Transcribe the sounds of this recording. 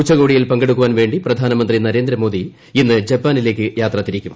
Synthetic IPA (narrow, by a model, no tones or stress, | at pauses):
kut͡ɕːɐɣo̞ːɽijilpɐŋɡeɽuk̬ːuʋaːnʋe̞ːɳɖiprɐd̪ʱaːnɐmɐnd̪rinɐɾe̞ːnd̪ɾɐmoːd̪i | inːɨd͡ʑɐpːaːnileːkːɨjaːt̪rɐt̪ːiɾikʲːum